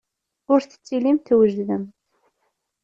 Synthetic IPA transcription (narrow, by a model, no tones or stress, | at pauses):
ʊɾθə̥t͡sːilimθwəʒðəm